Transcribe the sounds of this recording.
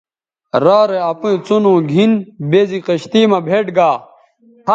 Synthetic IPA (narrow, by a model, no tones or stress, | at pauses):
ɾaːɾeɐpũẽt͡sonõːɡʱinbeːziqɐɕt̪iːmɐbʱeːʈɡaː